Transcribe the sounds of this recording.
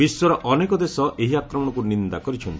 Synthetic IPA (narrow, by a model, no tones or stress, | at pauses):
biswɔɾɔʔɔnekɔd̪esɔʔeɦiakɾɔmɔɽɔkunind̪akɔɾit͡ʃʰɔnt̪i